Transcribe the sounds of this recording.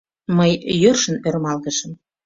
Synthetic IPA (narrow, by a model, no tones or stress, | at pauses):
məjːørʃə̆nøɾmɑlɣəʃə̆m